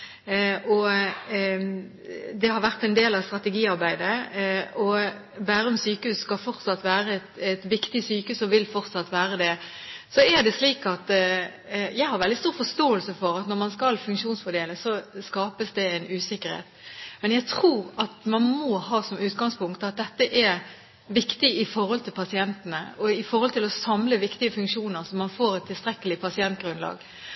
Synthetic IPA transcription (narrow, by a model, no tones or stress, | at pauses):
ɔ | d̪ɛhɑɾʋæʁt̪ɛnd̪eːlɑʋst̪ɾɑt̪ɛɡiːɑɾbæɪd̪əɔ | bæːɾəʊmsyːkəhʉsskɑlfɔɾt̪sɑt̪ːʋæːɾəɛt̪ɛt̪ʋɪkt̪ɪsyːkəʉːsɔʋɪlfɔɾt̪sɑt̪ːʋæːɾəd̪ɛ | sɔæɾd̪ɛsliːkɑt̪ | jæɪhɑɾʋɛld̪ɪst̪uːɾfɔʂt̪oːəlsəfɔɾɑt̪nɔɾmɑnskɑlfʉŋkʂuːnsfɔd̪eːləsɔskɑːpəsd̪ɛɛɪnʉːsɪkːəɾhḛːt̪mɛnjæɪt̪ʰɾuːɾɑt̪mɑnmɔhɑːsɔmʉːt̪ɡɑŋspʊŋkt̪ɑt̪̚d̪ɛt̪ːəʔæɾ | ʋɪkt̪ɪɪfɔɾhɔlt̪ʰɪlpʰɑsɪɛnt̪ənə̰ɔɪfɔɾhɔlt̪ɪlɔsɑmləʋɪkt̪ɪəfʉŋkʂuːnəɾsɔmːɑnfoːɾɛt̪ʰːɪlst̪ɾɛkːəlɪpʰɑsɪɛnt̪ɡɾʉnlɑ̰ːɡ